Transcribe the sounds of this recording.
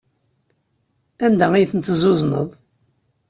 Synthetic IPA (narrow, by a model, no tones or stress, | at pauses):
ænd̪æijθənt̪zʊzˤnə̰ðˤ